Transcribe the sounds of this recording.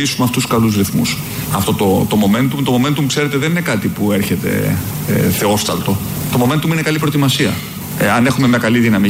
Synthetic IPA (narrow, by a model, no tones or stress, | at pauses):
isumeɐft̪uskɐluzɾiθmṵs | ɐft̪o̞t̪o̞t̪omo̞me̞nt̪ut̪o̞mo̞me̞nt̪umukse̞ɾe̞t̪eðe̞nine̞kɐt̪ipue̞ɾçe̞t̪e̞̰ | ḛθe̞o̞st̪ɐlt̪o̞ | t̪o̞mo̞ment̪umuinekɐlipɾo̞t̪imɐsiɐ̰ | ɐne̞xume̞mɲɐkɐliðinɐmi